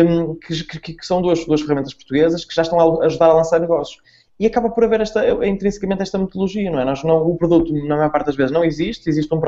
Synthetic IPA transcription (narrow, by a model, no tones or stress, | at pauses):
kɨkkksɐ̃w̃d̪uɐʃd̪uɐʃfɨʁɐmẽnt̪ɐʃpu̥ɾt̪uɣezɐʃkɨ̥ʒaʃt̪ɐ̃aɐʒuðaɾɐlˠɐ̃saɾnɨɣɔsju̥ʃ | iɐkaβɐpɔɾɐveɾɛʃt̪ɐĩnt̪ɾĩsi̥kɐmẽnt̪ɛʃt̪ɐmɨt̪ulˠuʒiɐnɐ̃wɛnɔʒnɐ̃w̃upɾuðut̪unɐmɐjɔɾpaɾt̪̚ðɐʒvezʒnɐ̃w̃iziʃt̪iziʃt̪ũpɾ